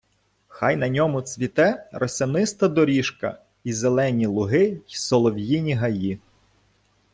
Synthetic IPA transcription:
xɑjnɐnʲɔmʊt͡sʲʋʲit̪ɛrɔsʲɐnɪst̪ɐd̪ɔɾʲiʃkɐ̰ | izelˠɛnʲilˠʊɦɪsɔlˠɔwjinʲiɦɐji

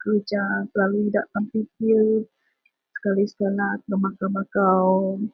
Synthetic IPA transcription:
kəɾud͡ʒapəlaluidaʔtampiki | sə̥kalisə̥kalat̪lamakamakaw

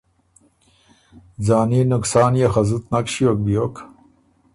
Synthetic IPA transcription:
d͡zaːniːnuksaːnjaxɐzut̪nɐkɕiok̚bijok

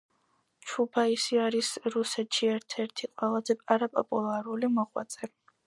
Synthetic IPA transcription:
t͡ʃʰubaisiaɾisɾusɛt̪ʃiɛɾt̪ʰɛɾt̪ʰiqʼwɛlˠazɛpʼaɾapʼɔ̰pʼulˠaɾulimɔʁwa̰t̪sʼɛ

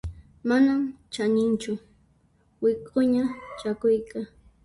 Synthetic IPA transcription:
manamt͡ʃaɲɪnt͡ʃʊ | wɪkʼʊɲat͡ʃakʊjka

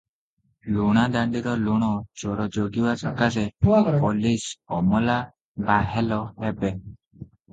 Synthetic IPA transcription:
luɽ̃ad̪aɳɖiɾɔluɽ̃ɔd͡ʒɔɾɔd͡ʒoɡiwasɔkasɛpolisɔmɔla | baɦelɔɦɛbe

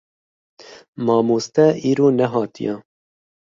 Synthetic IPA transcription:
mɑːmuːst̪ɛiːɾoːnɛɦɑːt̪ḭjɛ

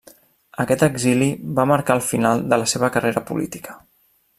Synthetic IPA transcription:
əkɛt̪əɡziliβaməɾkaəlˠfinalˠd̪ələseβəkəreɾəpṵlḭt̪i̥kə̥

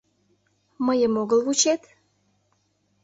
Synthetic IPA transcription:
məjəmoɣəlβut͡ɕet̪

